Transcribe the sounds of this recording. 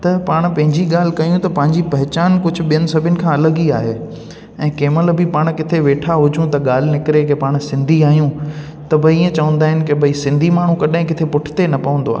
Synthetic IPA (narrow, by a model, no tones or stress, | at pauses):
t̪ɐpaːɽ̃pɐ̃ɦɪ̃ɲd͡ʑiɠaːl̤ɪ̆kɐijũt̪ɐpɐ̃ɦɪ̃ɲd͡ʑipɐɦɪt͡ɕaːnkʊd͡ʑʱʊ̆ɓijənɪ̆sɐbʱɪʊnɪ̆kʰãːɐləɡiaːɦeː | ɛ̃ːkeːməlbɪpaːɽ̃kɪt̪ʰeʋeːʈʰaɦʊd͡ʑũt̪ɐɠaːl̤ɪnɪkɪɾekepaːɽ̃sɪ̃nd̪ʱiaːɦijũ | t̪ɐbʱɐiːə̃t͡ɕɐʋə̃n̆d̪aːɦɪnɪkebʱɐisɪ̃nd̪ʱimaːɳ̤ũkɐɗaɦɪ̃kɪt̪ʰepʊʈʰɪ̥t̪enɐpɐʋə̃nd̪oa̰ː